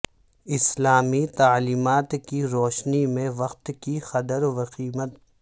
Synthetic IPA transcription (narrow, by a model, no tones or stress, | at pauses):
ɪslaːmit̪aːliːmaːt̪kiɾoːʃnimẽʋɐqt̪kixɐd̪əɾʋɐqiːmət̪̚